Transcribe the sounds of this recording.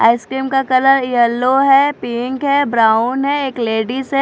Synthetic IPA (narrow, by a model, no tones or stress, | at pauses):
a̰ːɪskɾiːmkakɐləɾɪjəlːoɦɛpĩŋkɦɛbɾaːʊnɦɛeːkleːɖise